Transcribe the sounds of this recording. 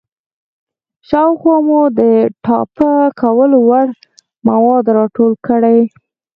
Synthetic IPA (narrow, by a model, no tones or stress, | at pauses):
ʃɑwxwɑmud̪əʈɑpəkawəlowaɽ | mawɑd̪ɾɑʈolkəɽaj